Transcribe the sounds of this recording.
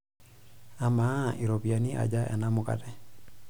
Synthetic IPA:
a˨ma˦i˨ɾo˨bi˨a˨ni˦ʔa̰˨d͡ʒa˦ʔɛ̰˨na˦mʊka̰˨dɛ˨

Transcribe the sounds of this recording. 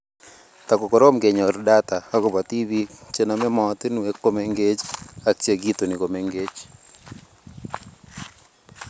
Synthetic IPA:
ta˨ko˨ko˨ɾo˦mɡe˨ɲɔ˨ɾda˦ta˨a˦ko˨βa˨ti˦βi˦t͡ʃe˦na˨me˦mɔ˨t̪ɪ˦nu˨e˦ko˦me˨ŋɡe˦t͡ʃa˦kt͡ʃje˨ɡi˦to˨ni˨ko˨me˨ŋɡe˦t͡ʃ

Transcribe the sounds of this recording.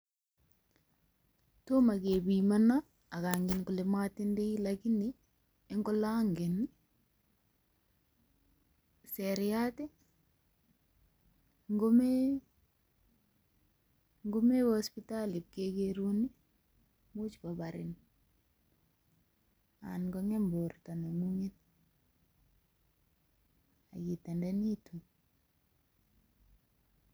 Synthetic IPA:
to˦ma˨ke˨bimana˦ | a˨kaŋɡɪnkulematinde˦ilaki˦ni | eŋɡɔ˦laŋɡe˨n | seɾɪate˦ | ŋɡome | ŋɡo˦me˦wo˦spi˦ta˦li˨p̚ke˦ɡeɾu˦ni˦ | mu˦t͡ʃpa˨ba˨ɾɪ̰˨n | a̰nɡɔ˦ŋɛ˦mbo˨rta˨no˨mu˦ŋe˦t̪̚ | a̰˨ɡi˨t̪ɛ˨ndɛ˦ni˦tu˨

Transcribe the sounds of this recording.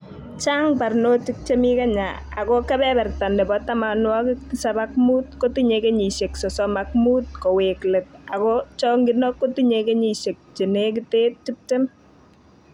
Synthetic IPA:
t͡ʃa˦ŋpa˨rno˦t͡ʃɪ˦k̚t͡ʃe˦mi˦ka˦ɲa̰˨a̰˨kɔ˦kɛ˦bɛ˦bɛ˨rta˨nɛ˨bɔ˦ta˦ma˨nwɔ˦kɪsa˦ba˦k̚mu˦t̚ko˦tu˦ɲeke˦ɲi˨ʃe˨ksɔ˨sɔma˨k̚muː˦t̚kɔ˨we˨kle˨t̚a˨kɔ˦t͡ʃɔ˦ŋɡɪ˨nɔ˦kːo˦tu˦ɲeke˦ɲi˨ʃe˨k̚t͡ʃe˨ne˦k̬ɪ˦te˦ti˦p̚tɪ˦m

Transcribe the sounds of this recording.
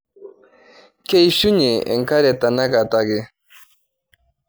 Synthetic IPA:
ke˦jʃʊ˦ɲɪ˨ḛ˨ŋka˦ɾe˨t̪a˨na˦ka˨t̪a˦ɡɪ˦

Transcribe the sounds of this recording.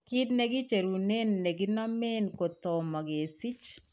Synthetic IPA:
ki˦dne˦ɡɪ˦t͡ʃe˨ɾu˨ne˦nːe˨ɡi˦na˦mɛ˦nko˨tɔ˨ma˨ɡe˨si˦t͡ʃ

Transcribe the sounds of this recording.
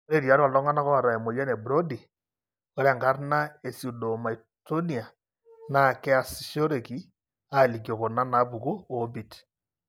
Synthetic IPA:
o˦ɾe˦˨ɾja˨˦ɾɔ˨ldɔ˦ŋa˦na˦kɔ˦a˨ɾa˨ɛ˨mo˨ja˦ne˨bɾo˦di˨ | ɔ˦ɾɛ˨ŋɡa˦rna˦e˨su˨do˨ma˨i˨ | to˦ni˨a˨ | na˦˨kɛ˦a˨sʃo˦ɾe˨ki˦ | a˦˨li˨k̬jo˨ko˨na˦na˨˦pu˨ku˦o˨˦bi˨t

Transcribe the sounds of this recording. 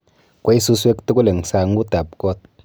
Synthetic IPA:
ko˦i˦su˦˧s̬we˦kte˦ku˦le˨ŋsa˧ŋ˦ku˦ta˨p̚kɔ˦˨t̚

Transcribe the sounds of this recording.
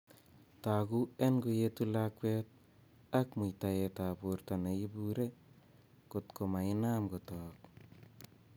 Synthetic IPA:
ta˨ɡu˦e˦nɡo˧je˦tu˦la˦kwɛ˦t̚ | a˦kmu˨jta˨je˨ta˨buɾta˨ne˨ji˦buɾe˦ | ko˨tko˨ma˨ɪ˦na˦mɡo˨tɔː˨k̚

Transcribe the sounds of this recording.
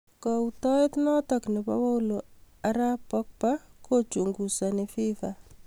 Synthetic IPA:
kɔ˨u˨tɔ˦ɪ˦t̪nɔ˦tɔ˨knɪ˨pa̰˦wa˦u˦lo | a˦ɾa˦pɔ˦k̚pa˦ko˦t͡ʃu˨ŋɡu˨sa˨nɪ˨fi˦fa

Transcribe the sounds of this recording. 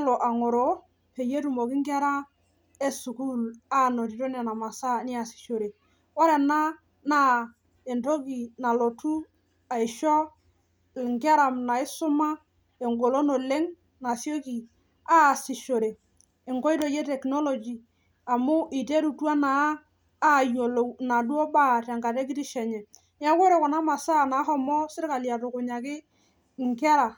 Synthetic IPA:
lɔ˨ʔa˨ŋo˨ɾo˨˦ | pe˨je˦tu˨mo˨kɪ˦ŋɡɪ˦a˦ɾa˦ | e˦su˨ku˦la˦˨no˨t̬i˨to˦nɛ˨na˨ma˨sa˦nɪ˦a˨sɪ̥˨ʃo˨ɾe˨ | ɔ˦ɾɛ˨na˦ | na˦ | e˨nto˦ɡi˨na˨lo˨tu˦ | a˨ɪ˨ʃɔ˦˨ | ŋɡɪ˦a˦ɾa˨mna˨ɪ˦sʊ˦ma˦ | e˨ŋɡo˨lo˦no˨le˦ŋ | na˨sjo˦ki˨ | aː˦˨sɪ˨ʃo˨ɾeː˨ | ŋkɔ˦jto˨jɛ˦tɛ˨knɔ˦lo˨d͡ʒi˨ | a˨mʊ˦ʔi˨te˦ɾu˨twa˦naː˨˦˨ | jo˨lna˨dwo˦ba˦ta˨ŋka˨tɛ˦k̬ɪ˦tɪ˦ʃɛ˨ɲɛ˨ | n˦a˦kɔ˦ɾe˨kɔ˨na˦ma˨sa˦˨na˨˦ɦɔ˦mɔ˦sɪ˦ɾka˨lja˨tʊ˨kʊ˨ɲa˨kɪ˦ | ŋkɛ˦ɾa˨

